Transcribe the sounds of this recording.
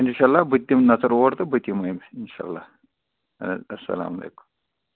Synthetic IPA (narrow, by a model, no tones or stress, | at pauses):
inʃaːlːaːbɨt̪ːimnɐzɐɾoːɾt̪ɐbɨt̪ːimɐimɪnʃa̰ːɐ̰lːaː | ɐsːɐ̰la̰ːmɐlḛːku̥m